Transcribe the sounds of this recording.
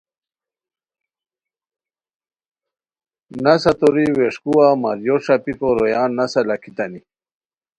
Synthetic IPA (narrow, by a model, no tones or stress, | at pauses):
nasat̪oɾiweʂkuwama̰ɾjoʂapikoɾojaːnːasalakit̪ani